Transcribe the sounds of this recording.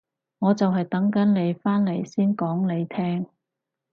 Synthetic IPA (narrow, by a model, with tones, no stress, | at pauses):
ŋɔː˨˧t͡sɐ˨wɦɐ˨jt̪ɐ˨˥ŋkɐ˨˥nle˨˧jfaː˥nle˨˩jsiː˥nkɔː˨˥ŋne˨˧jt̪ʰɛː˥ŋ